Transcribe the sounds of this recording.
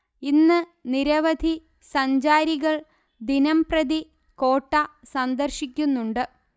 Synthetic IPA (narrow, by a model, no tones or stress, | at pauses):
inːɨniɾɐʋɐd̪ʱi | sɐɲd͡ʑaːɾiɣɐɭ | d̪inɐmprɐd̪i | ko̞ːʈːɐsɐnd̪ɐrɕikʲːunːuɳɖɨ